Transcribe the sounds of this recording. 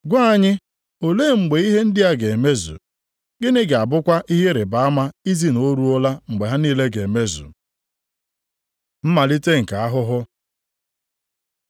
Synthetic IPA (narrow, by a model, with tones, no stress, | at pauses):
ɡʷa˦ɲɪ˦ | o˨leː˦˨ŋ͡m̩˨ɡ͡be˨˦i˦ɦe˦n̩˦dɪ˦a˦ɡe˨me˦zṵ˨ | ɡɪ˦nɪ˦ɡa˨bʊ˦kʷa˦ʔi˦ɦe˦ɾe˨ba˨a˦ma˦i˦zi˦no˦ɾu˦ʊ˦la˦ŋ͡m̩˨ɡ͡be˨ɦa˦niː˦le˦ɡe˨me˦zṵ˨ | m̩˦ma˨li˦te˦ŋ̩˨ka˨a˦ɦʊ˦ɦʊ˦